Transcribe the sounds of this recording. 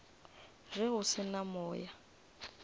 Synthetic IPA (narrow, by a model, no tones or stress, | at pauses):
rɪɣʊsɪnamɔːja